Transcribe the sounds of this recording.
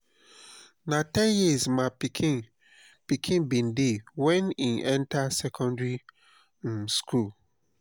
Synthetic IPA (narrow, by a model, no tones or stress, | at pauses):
natɛ̃njizmapikʰi | pikʰĩnbĩndiwɛniʔɛ̃ntasɛkʰɔ̃ndɹi | n̩skul